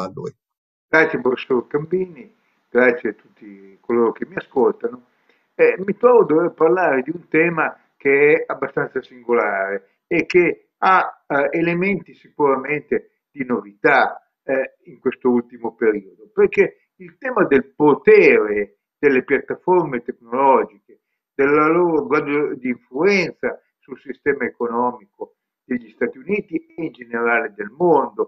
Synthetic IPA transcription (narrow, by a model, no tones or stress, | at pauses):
anoj | ɡ̥ɾat̪sjepɾofesoɾkambiːni | ɡ̥ɾat̪sːjeat̪ːut̪ːi | koloːɾokemːiaskolt̪ano | ɛmit̪ɾɔvod̪oveparlaːɾed̪iunt̪ɛːma | keɛabːast̪ant̪sasiŋɡolaːɾeː | kːe | aelement̪isikuɾament̪e | d̪inovit̪a | iŋkwest̪oult̪imopeɾiːod̪operke | ilt̪ɛːmad̪elpot̪ɛːɾe | d̪̥elːepjat̪ːaformet̪eknolɔːd͡ʒike | d̪elːaloːɾoɡwad̪od̪iːɱfluɛnt̪sa | sulsist̪ɛːmaekonɔːmiko | d̪̥eʎːist̪aːt̪iuniːt̪ieind͡ʒeneɾaːled̪elmond̪o